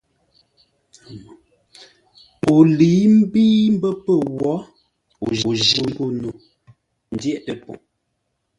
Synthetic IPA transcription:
o˨li˨˦m̩˦biː˦m̩˦bə˦pə˦˨wɔ˨˦ | o̰˨ʒuo˦˨˦ɡo˦no˨ | n̩˦djɛ˦ʔtə˨pɔ̰˨

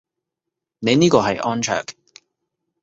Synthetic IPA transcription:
ne˨˧jniː˥kɔː˧ɦɐ˨jʔɔː˥nt͡ʃʰœ̰ː˨˩k

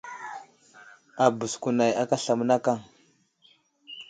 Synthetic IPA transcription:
a˨bu˨sku˨na˨ja˦ka˦ɬa˨m˦na˦ka˦˨ŋ

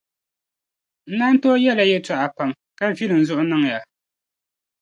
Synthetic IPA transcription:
n̩˦na˦n˦tɔː˦jɛ˦la˨jɛ˦ta˨ʔa˨pa˨m | ka˦vi˦lɨ˨m˨zʊ˦ʔʊ˦nɨ˦ŋ˨ja˨

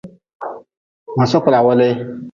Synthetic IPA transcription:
wɔ˨sɔ˦kʷʊ˨la˨wɔ˦le˦

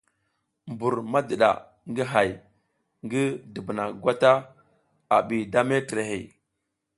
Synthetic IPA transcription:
mbu˨ɾma˦də˨ɗa̰˨ | ŋɡi˦ɦa˨j | ŋɡi˦də˨bna˨ɡʷa˦ta˦ | a˨ɓi˨da˦me˦tɾe˨hḛ˨

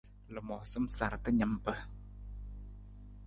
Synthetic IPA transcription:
lə˨mɔ˨sə˦˨msa˨ɾt̪ə˦ɲa˧˦mpə˧˦

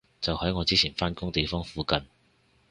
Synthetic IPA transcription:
t͡sɐ˨whɐ˨˥jŋɔː˨˧t͡siː˥t͡sʰiː˨˩nfaː˥nkʊ˥ŋt̪e˨jfɔː˥ŋfuː˨˥kɐ˨n

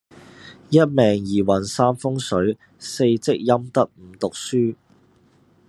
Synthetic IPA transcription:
jɐ˥t̚mɛː˨ŋjiː˨˩wɐ˨˩nsaː˥mfʊ˥ŋsɵ˨˥ɥ | se˧jt͡sɪ˥k̚jɐ˥mt̪ɐ˥k̚m̩ː˨˧˥t̪ʊ˨k̚syː˥

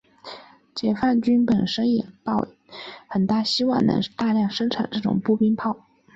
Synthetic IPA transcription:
t͡ɕjɛ˨˩fa˥˩nt͡ɕy˥npə˨˩nʂə˥ŋi˨˩p̪ɑ˥˩ʊ | xə˨˩nt̪a˥˩ɕi˥wɑ˥˩ŋnɤ̰˧˥ŋt̪a˥˧ljɑ˥˩ŋʂə˥ŋʈ͡ʂʰa̰˨˩˦nʈ͡ʂɤ˥˩ʈ͡ʂʊ̰˨˩ŋpu˥˩pi˥ŋpʰɑ˥˩ʊ

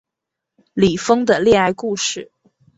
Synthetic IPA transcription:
li˨˩fɤ˥ŋd̪ə˨ljɛ˥˧a˥˧ɪku˥˧ʂɻ̩˥˩

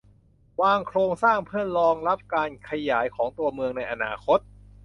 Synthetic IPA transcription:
waː˧ŋkʰɾoː˧ŋsaː˥˩ŋpʰɯ˥˩ənlɔː˧ŋɾa˦˥p̚kaː˧nkʰa˧jaː˩˦jkʰɔː˩˦ŋt̪u˧ɐmɯ˧əŋna˧jʔa˧na̰ː˧kʰo˦˥t̪̚

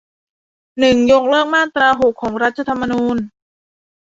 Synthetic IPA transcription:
nɯ˨˩ŋjo˧k̚lɤ˥˩ək̚maː˥˩t̪ɾaː˧ɦo˨˩kʰːɔː˩˦ŋɾa˦˥t̪̚t͡ɕʰa˧t̪ʰa˧mːa˧nuː˧n

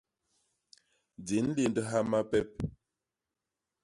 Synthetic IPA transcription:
d͡zi˨˦n̩˦le˦˨ndə˦ɦa˦ma˦pɛ˦p̚

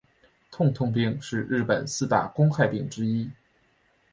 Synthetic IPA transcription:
t̪ʰʊ˥˧ŋt̪ʰʊ˥˧ŋp̬i˥˧ŋʂɻ̩˥˧ɻɻ̩˥˩pə˨˩nsɹ̩˥˧t̪a̰˥˩kʊ˥ŋxa˥˧ɪpi˥˩ŋʈ͡ʂɻ̩˥i˥

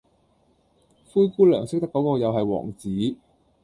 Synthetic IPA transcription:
fuː˥jkuː˥lœː˨˩ŋsɪ˥k̚t̪ɐ˥kɔː˨˥kɔː˧jɐ˨wɦɐ˨jwɔ̰ː˨˩ŋt͡siː˨˥

